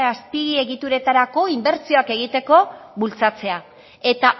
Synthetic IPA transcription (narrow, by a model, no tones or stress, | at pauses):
aspiɣie̞ɣit̪uɾe̞t̪aɾako̞imbe̞ɾt͡sio̞ake̞ɣ̞it̪e̞ko̞βult͡sat͡se̞a | e̞t̪a